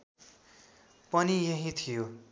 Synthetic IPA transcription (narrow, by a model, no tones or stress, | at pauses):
pʌnijʌɦĩt̪ʰijo